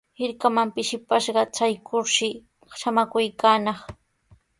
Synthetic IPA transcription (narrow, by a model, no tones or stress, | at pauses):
hɪɾkamampɪʃɪpaʃɢɑt͡ʃajkʰʊɾʃɪ | ʃamakʊjkaːnɑχ